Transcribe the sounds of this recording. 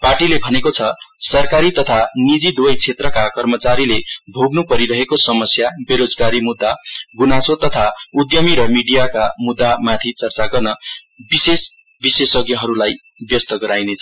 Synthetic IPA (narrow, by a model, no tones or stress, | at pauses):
parʈilebʱʌnekot͡sʰʌsʌrkaɾit̪ʌt̪ʰanid͡zid̪wʌjt͡sʰet̪rʌkakʌrmʌt͡saɾilebʱoɡnupʌɾiɾʌɦekosʌmʌsjabeɾod͡zɡaɾimud̪ːaɡunasot̪ʌt̪ʰaud̪jʌmiɾʌmiɖijakamud̪ːamat̪ʰit͡sʌrt͡saɡʌrnʌ | bises | bisesʌɡjʌɦʌɾulaj | bjʌst̪ʌɡʌɾajnet͡sʰʌ